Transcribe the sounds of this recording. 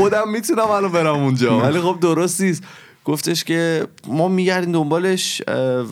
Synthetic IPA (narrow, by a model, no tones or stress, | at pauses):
od̪æmːit̪ʰunæmælɒbe̞ɾæmund͡ʒɒːvælixo̞b̚d̪oɾost̪iːs | ɡ̥oft̪ʰe̞ʃce̞mɒːmiɟæɾd̪iːmd̪ombɒːle̞ʃ